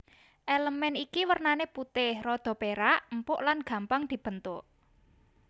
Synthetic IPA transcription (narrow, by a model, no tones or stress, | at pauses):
ʔeləmɛnikiwərnaneput̪ɪhrɔd̪̥ɔ̤peɾaʔmpʊʔlanɡ̥ä̤mpaŋd̪̥i̤b̥ə̤nt̪ʊʔ